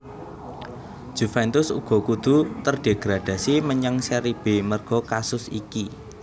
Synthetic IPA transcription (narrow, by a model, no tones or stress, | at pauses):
ʒ̥ṳfɛnt̪ʊsṵɡ̥ɔ̤kud̪̥ṳt̪ərɖ̥eɡ̥ɾad̥ä̤siməɲaŋseɾib̥e̤mərɡ̥ɔ̤kasʊsḭki